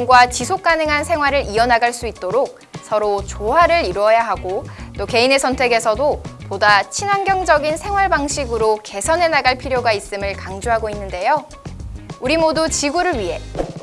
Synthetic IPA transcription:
ŋɡwat͡ɕisʰok̚k͈anɯŋɦansʰe̞ŋɦwaɾɯɾiʌnaɡaɭs͈uit̚t͈oɾok̚ | sʰʌɾot͡ɕoɦaɾɯɾiɾwʌjaɦaɡot͈oke̞ine̞sʰʌntʰe̞ɡe̞sʰʌdopodat͡ɕʰinanɡjʌŋd͡ʑʌɡinsʰe̞ŋɦwaɭbaŋɕʰiɡɯɾoke̞sʰʌne̞naɡaɭpʰiɾjoɡais͈ɯmɯɭkaŋd͡ʑoɦaɡoinːɯnde̞jo | uɾimodut͡ɕiɡuɾɯɭɥiɦe̞

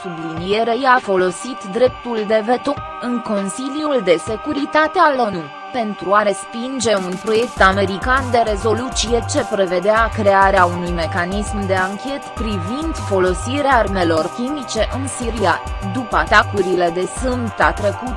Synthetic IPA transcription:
sublinije̞ɾe̞jafo̞lo̞sit̪d̪ɾe̞p̚t̪uld̪e̞vet̪o | ɨŋko̞nsiljuld̪e̞se̞kuɾit̪at̪ealonu | pe̞nt̪ɾuaɾe̞spind͡ʒe̞unpɾo̞je̞kt̪ame̞ɾikand̪e̞ɾe̞zo̞lut̪sije̞t͡ʃe̞pɾe̞ve̞d̪eakɾe̞aɾeaunujme̞kanismd̪e̞aŋkʲe̞t̪pɾivind̪fo̞lo̞siɾearme̞lo̞rkʲimit͡ʃe̞ʔɨnsiɾiad̪upəat̪akuɾile̞d̪e̞sɨmbt̪at̪ɾe̞kut̪

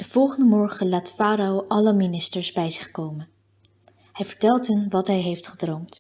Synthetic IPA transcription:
d̥əv̥ɔlˠχəndəmɔɹχəlaːtfaːɾowʔɑləminɪstəɹzbɛjzɪχkowmən | ɦɛjvəɹtɛlˠtɦɵnʋɑtɦɛjɦejftχədrowmt

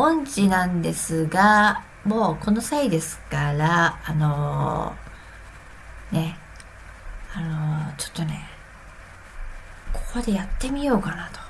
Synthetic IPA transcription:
õ̞ɲd͡ʑinãnd̪e̞sɨɡa | mo̞ːko̞no̞said̪e̞sɨ̥kaɾaːno̞ | ne̞ | ano̞t͡ɕo̥t̪ːo̞ne̞ | kʰokod̪e̞jat̪ːe̞mʲijo̞ːkanat̪o̞̥

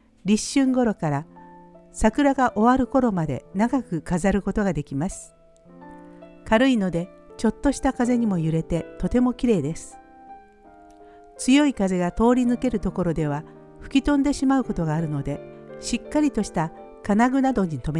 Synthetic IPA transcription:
ɾʲiɕːɨ̃ŋɡo̞ɾo̞kaɾa | sakɯ̟ɾaɡaʔo̞βaɾɯ̟ko̞ɾo̞mad̪e̞̰naɡakɯ̟kazaɾɯ̟ko̞t̪o̞ɡad̪e̞kʲimasɨ̥ | kaɾɯino̞d̪e̞t͡ɕo̞t̪ːo̞ɕi̥t̪akaze̞ɲ̟imo̞jɯ̟ɾe̞t̪e̞t̪o̞t̪e̞mo̞kʲiɾe̞ːd̪e̞sɨ̥ | t͡sɨjo̞ikaze̞ɡat̪o̞ːɾʲinɯke̞ɾɯ̟t̪o̞ko̞ɾo̞d̪e̞β̞a | ɸɯ̟̥kʲit̪õ̞nd̪e̞ɕimaɯ̟ko̞t̪o̞ɡaːɾɯ̟no̞d̪e̞ɕikːaɾʲit̪o̞ɕi̥t̪a | kanaɡɯ̟nad̪o̞ɲ̟it̪o̞me

